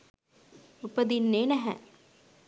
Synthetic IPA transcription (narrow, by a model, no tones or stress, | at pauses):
upəd̪inːeːnæɦɛ̰